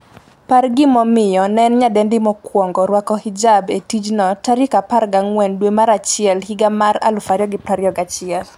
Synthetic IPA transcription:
parɡɪmɔmɪjɔnɛnɲadɛndɪmɔkwɔŋɡɔɾwakɔhɪd͡ʒabetid͡ʒnɔtaɾɪkaparɡaŋwɛndwemaɾat͡ʃɪɛlhiɡamaɾa̰lʊfaɾjɔɡɪpaɾjɔɡat͡ʃɪɛl

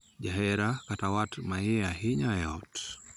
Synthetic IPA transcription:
d͡ʒaɦɛɾakatawatmaiaɦiɲajɔt

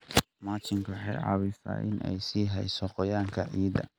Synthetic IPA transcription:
maːt͡ʃɪŋkʰwħɑjʕɑ̰ːβɪsa̰ːʔɪ̰nɛ̰jsiːɦɛjsɔqɔjaːŋkʰɐʕiːðɐ̰

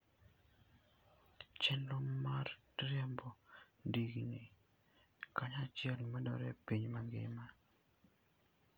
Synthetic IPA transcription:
t͡ʃɛndɔmar | ɾjɛmbɔ | ndiɡiŋi | kaɲat͡ʃjɛlnmɛdɔ̰ɾɛpiɲmaŋɡɪ̰ma

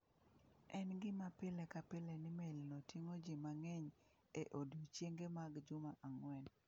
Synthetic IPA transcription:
ɛnɡɪmapɪlɛkapɪlɛnɪmelnotiŋod͡ʒimaŋɛɲ | eʔodot͡ʃjeŋɡemaɡd͡ʒʊmaʔaŋwɛn

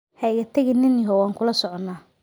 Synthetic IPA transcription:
hɛjɣɐt̪ʰɐɣɪnɪnjɦɔwaːŋkʰʊlɐsɔʕɔnːaː

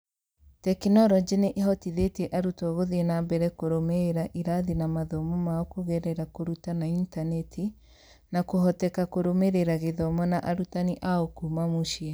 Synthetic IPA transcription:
tɛknɔɾɔd͡ʒeneʔeɦɔtiðetiɛʔaɾutɔɣoðiɛnambɛɾɛkoɾomeɾaʔiɾaðinamaðɔmɔmaɔkoɣɛɾɛɾakoɾutanaintanɛtʰi | nakoɦɔtɛkakoɾomeɾeɾaɣeðɔmɔnaʔaɾutaniʔaɔkumamuʃiɛ

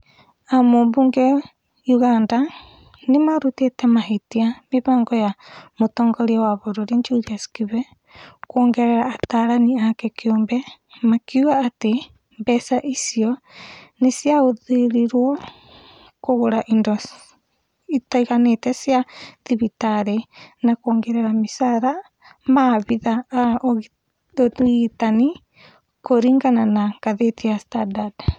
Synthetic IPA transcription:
amobuŋɡɛ | juɣanda | nemaɾutiɛtɛmaɦetiameβaŋɡɔjamotɔːŋɡɔɾiawaβoɾoɾiɲd͡ʒuɾiaskiβɛ | kwɔːŋɡɛɾɛɾaːtaɾaniakɛkiombɛ | makiuaːte | bɛsaʔisiɔ | nesiaoðeɾiɾwɔ | koɣoɾaʔindɔ | itaiɣanetɛsjaðiβitaɾenakɔːŋɡɛɾɛɾamisaɾa | maβiðaːʔ | tani | koɾiŋɡananaŋkaðetiastadad

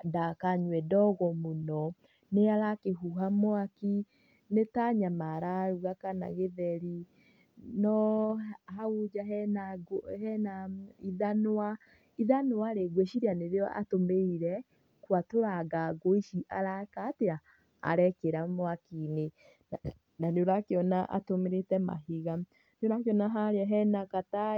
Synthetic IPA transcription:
dakaɲwɛdɔɣɔmonɔ | neaɾakeɦuɦamwaki | netaɲamaɾaɾuɣakana̰ɣeðɛɾi | nɔ | haud͡ʒaɦnaɡhɛnaiðanoa | iðanowaɾeɡweʃiɾianeɾeɔʔa̰tomeiɾɛ | kwatoɾaɡaɡoiʃiʔa̰ɾakatea̰ː | ɾɛkeɾamoakine | naneoɾakeɔnaʔa̰tomeɾetɛma̰ɦiɣa | neoɾakeɔnaɦaɾeaɦɛnakata

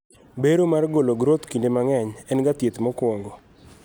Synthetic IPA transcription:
beɾomarɡoloɡɾot̪kindemaŋɛɲɛnɡat̪jet̪mɔkwɔŋɡɔ

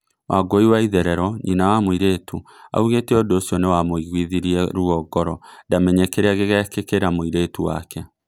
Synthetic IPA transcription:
wʔaɡoiwaiðɛɾɛɾɔɲʔinawamoiɾeːtʰu | a̰uɣetɛodoːsiɔnewamoiɣwiðiɾiɛɾuɔɡɔɾɔndamɛɲɛkeɾeaɣeɣɛkekeɾamoiɾeːtuwa̰kɛ

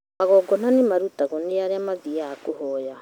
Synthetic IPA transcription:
aɣɔɡɔn̥anemaɾutaɣoneaɾeamaðiaːkohɔja

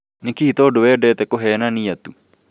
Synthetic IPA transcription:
nɪkiit̪ɔodowɛːdɛt̪ɛkoɦɛːnanijat̪u

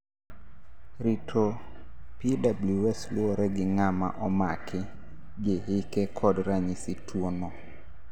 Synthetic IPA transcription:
ɾitʰo | pidabluɛslwoɾɛɡɪŋama̰ʔɔmakʰɪ | ɡɪɦɪkɛkʰɔdɾaɲisitwonɔ

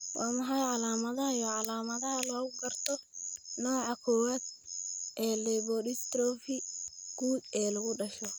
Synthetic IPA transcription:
wʔɑːmɐħɑjʕɑlaːmɐðɐɦɐjɔːʕɑlaːmɐðɐɦɐlɔːɣʊɡɐrt̪ʰɔnɔːʕɑkʰɔwaːd̪̥̚ʔɛːlɛβɔɾɪst̪ɾɔːfɪɡ̥uːd̪ɛːlɐɣʊɖɐʃɔ

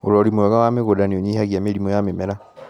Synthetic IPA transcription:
oɾɔɾimwɛɣawameɣodanioɲihaɣjameɾimɔjamemeɾa

